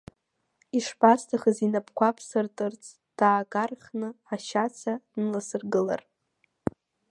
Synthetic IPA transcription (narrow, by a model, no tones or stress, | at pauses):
iʂpastʰaχəzinapʰkʷapʰsɨrtʼɨrt͡sʼ | d̥aːɡarχnɨaʃat͡sʰanlasɨrɡɨla̰r